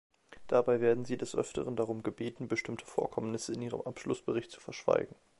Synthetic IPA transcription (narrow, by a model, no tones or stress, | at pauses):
d̥abaɪveːɐdn̩ziːdɛsʔœ̰ftə̰ʁəndaʁ̞ʊmɡəbeːtn̩bəʃtɪmtʰə̥fo̰ːɐkʰɔmnɪsəɪniːʁə̰mʔapʃlʊsb̥əʁɪçtt͡su̥fɛɐʃv̥a̰ɪɡŋ̩